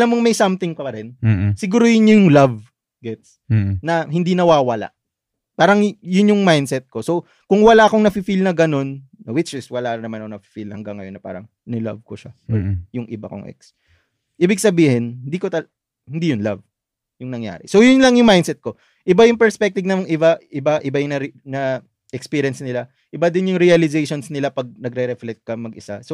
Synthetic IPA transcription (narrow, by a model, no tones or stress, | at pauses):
ʔɐlamːoŋmɐjsɐmt̪ɪŋkɐɐɾɛnsɪɡuːɾojʊnɲojʊŋlɐv | ɡɛt̪s | nɐɦɪnd̪inɐwaːwɐla̰ʔ | paːɾɐŋjʊnjʊŋmajnd̪sɛt̪̚ko̞so | kʊŋwɐlaːʔɐkoŋnɐfifilnɐɡɐno̞nːɐwɪt͡ʃɪswɐlanɐmanonɐfi̥filnɐhɐŋɡɐŋːɐjo̞nːɐpa̰ːɾɐŋ | nɛlɐ̰vkoʃaʔojʊŋʔɪba̰ko̰ŋʔɛ̰ks | ʔiːbɪɡ̚sɐbiːhɪnhɪnd̪iːkot̪ɐ | hɪnd̪ijʊnla̰v | jʊŋnɐŋja̰ːɾɪsojʊnlɐŋjʊŋmajnd̪sɛt̪̚ko̞ | ʔɪbajʊŋpɛɹspɛk̚t̪ɪvnɐŋʔɪbaʔɪbaʔɪbajʊŋnɐɾnɐ | ʔɛkspiɾijɐnsnɪla | ʔɪbad̪ɪnjʊŋɾiɐlɪzejʃonsnɪlapɐɡ̚nɐɡɾɛɾɛflɛkt̪̚kɐmɐɡɪsa̰so